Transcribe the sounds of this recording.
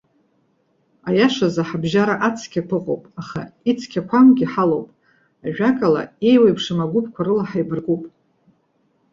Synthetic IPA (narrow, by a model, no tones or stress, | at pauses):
ajaʂazaħabʒaɾaʔat͡sʰkʲʰapʰʷɨqʼowpʼaχait͡sʰkʲʰakʷʰamɡʲiħalowpʼ | aʒᶣakʼala̰e̞jwajpʰʂɨmaɡʷʊpʰkʷʰaɾɨlaħajbɨrɡʼupʼ